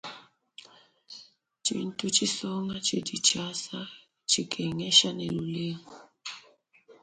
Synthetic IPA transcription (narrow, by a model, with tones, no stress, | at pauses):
t͡ʃʰḭ˨n̩˦tʼu˦t͡ʃʰi˦sɔ˦ŋa˦t͡ʃʰi˦di˨t͡ʃa˦sa˦ | t͡ʃʰi˨kʰɛ˨ŋɛ˦ʃa˦ne˨lu˨le˦ŋu˨